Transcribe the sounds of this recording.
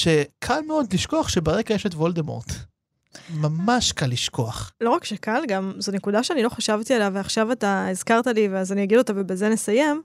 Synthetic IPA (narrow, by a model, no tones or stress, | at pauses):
ʃe̞kʰalmeo̞dliʃko̞aχʃebeʁeɡajeʃetvoldemo̰t̪ | mamaʃkalːiʃkʰo̞aχlo̞ʁakʃekalɡamzonekud̪aʃeanilo̞χaʃavt̪ielaveaχʃavataizkaʁt̪aliveazanijaɡido̞t̪avebezene̞saje̞m